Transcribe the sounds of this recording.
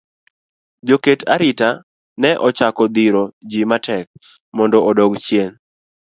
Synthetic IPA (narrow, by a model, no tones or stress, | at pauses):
d͡ʒoketʰaɾɪta | nɛʔɔt͡ʃakɔd̪iɾod͡ʒimatɛk̚ | mɔndɔɔdoɡt͡ʃjen